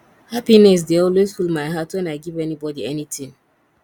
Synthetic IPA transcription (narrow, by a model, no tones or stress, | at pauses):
hapinɛs̬deɔlwezfulmaɪɦatwɛ̃naɪɡivɛnibɔdiɛnitʰĩŋ